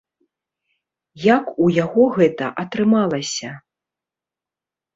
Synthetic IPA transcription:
jakujaɣɔɣɛt̪ɐʔɐt̪ɾɨmalˠɐsʲɐ

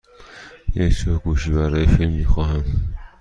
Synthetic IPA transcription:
jecd͡ʒɒːɾɡuːʃiːbæɾɒːjefilmːixɒːɦæm

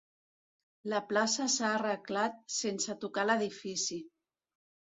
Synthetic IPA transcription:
ləplasəsaːrəklat̪̚sensət̪ukaləðifisi

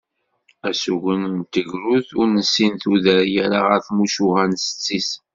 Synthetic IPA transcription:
æsuʝənnt̪əʝɾuðʊɾnəsːinθuðəɾjæɾaʁəɾθmuʃuʁænsə̥t͡sːis

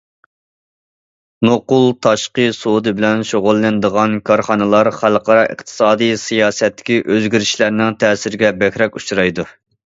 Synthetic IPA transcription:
noqʊlˠt̪ʰɑʃqəsod̪ɨbɪlɛnʃoʁʊlˠːɨnd̪əʁɑnkʰɑɾχɑnɨlˠɑɾχælˠqɑɾɑʔɨ̰χt̪ʰɨ̥sɑːd̪ɨjsijɑːsɛt̪ːɪ̥kʲiʔøzɡʲiɾɪʃlæɾnɪŋt̪ʰɛːsɪɾɪɡʲɛbɛkʲɾɛkʲut͡ʃɾɑjd̪u

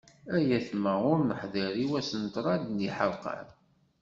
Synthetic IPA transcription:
æjæθmæʊɾnəħðiɾiwæsənt̪ɾˤɑd̪niħəlqə̰ɾ

